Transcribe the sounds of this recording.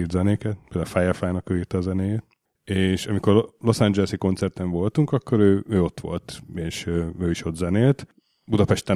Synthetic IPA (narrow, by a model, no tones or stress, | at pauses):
irt̪zɛneːkɛt̪̚peld̪a̰faːjɒfaːjnɒkøːirt̪ɛɒzɛneːjeːt̪ | eːʃɒmiko̞rlo̞sand͡ʒɛlɛsiko̞nt̪sɛrt̪ɛɱvo̞lt̪uŋkɒkːo̞ɾøːøːo̞t̪ʋo̞̰lt̪eːʃøøːiʃo̞t̪zɛneːlt̪ | bud̪ɒpɛʃt̪ɛ